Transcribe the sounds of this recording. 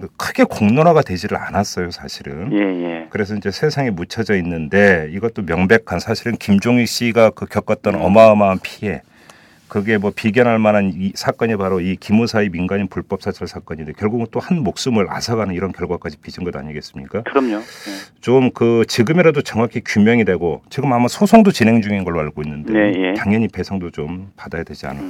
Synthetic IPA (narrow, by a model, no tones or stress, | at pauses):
ɡekʰɯɡe̞koŋnoɾaɡadwe̞d͡ʑiɾɯɭa̰nas͈ʌjosʰaɕʰiɾɯnjejekɯɾe̞s̬ʰʌid͡ʑe̞sʰe̞sʰaŋemut͡ɕʰʌd͡ʑʌinːɯnde̞iɡʌt͈omjʌŋbe̞kʰansʰaɕʰiɾɯnkimd͡ʑoŋik̚ɕ͈iɡakɯkjʌk͈ʌt̚t͈ʌnʌ̰maʌmanpʰie̞ | kɯɡe̞mwʌpiɡjʌnɦaɭmananisʰak͈ʌɲipaɾoikimosʰaiminɡaɲinpuɭp͈ʌp̚s͈ʰat͡ɕʰaɭsʰak͈ʌɲindekjʌɭɡuɡɯnt͈ohanmok̚s͈ɯmɯɾa̰sʰaɡanɯniɾʌnkjʌɭɡwak͈ad͡ʑipid͡ʑʰinɡʌda̰ɲiɡe̞s͈ɯmɲik͈akɯɾʌmɲot͡ɕomkɯt͡ɕiɡɯmeɾadot͡ɕʌŋwakʰikjumjʌŋidwe̞ɡot͡ɕiɡɯmamasʰosʰoŋdot͡ɕinɦe̞ŋd͡ʑuŋinɡʌɭːoaɭɡoinːɯndekjaŋjʌɲipe̞sʰaŋdot͡ɕompadajadwe̞d͡ʑia̰nɯ